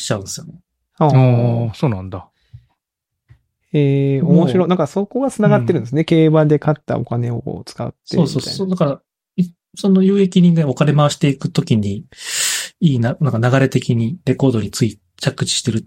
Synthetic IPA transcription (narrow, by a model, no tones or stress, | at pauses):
ɕi̥t͡ɕaɯ̟̃nesɨjone | aːosoːnãnd̪a | eːomo̞ɕiɾo̞nãŋkaso̞ko̞ɡat͡sɨnaɡat̪ːe̞ɾɯ̟̃nd̪sɨneke̞ːbad̪e̞kat̪ːa̰o̞̰kane̞oko̰ːt͡sɨ̥ka̰t̪ːeoːsoːsa̰od̪akaɾa | i | so̞no̞jɯːe̞kʲiɲĩŋɡaokane̞maβaɕi̥t̪e̞ikɯ̟t̪o̞kʲiɲ̟i | iːnanãŋkanaɡaɾe̞t̪e̞kʲiɲ̟iɾe̞ko̞ːd̪o̞ɲ̟it͡sɨi | t͡ɕakːɯ̟̥t͡ɕi̥ɕi̥t̪e̞ɾɯ̟